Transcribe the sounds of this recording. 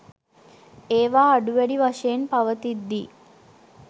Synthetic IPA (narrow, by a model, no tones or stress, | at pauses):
eːʋaːɖuʋæɽiʋɐʂɐjenpɐʋət̪id̪ːi